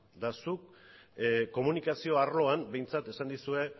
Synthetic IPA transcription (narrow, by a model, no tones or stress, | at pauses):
d̪asuk | ko̞munikasio̞aɾlo̞ambe̞jnt͡sat̪e̞sand̪isue̞